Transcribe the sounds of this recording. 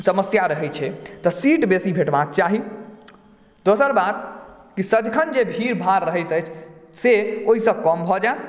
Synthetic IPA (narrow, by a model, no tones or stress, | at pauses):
səməsjaɾəɦɛt͡ʃʰɛt̪ɔsiʈbesibʱeʈbak̚t͡ʃaɦi | d̪osəɾbat̪ | kisəd̪kʰənd͡ʒebʱiɾbʱaɾːəɦəjt̪əjt͡ʃʰseoɦisə̃kɔmbʱɔd͡ʒae